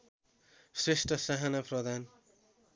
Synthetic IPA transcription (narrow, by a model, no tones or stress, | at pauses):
sresʈʌsaɦanaprʌd̪an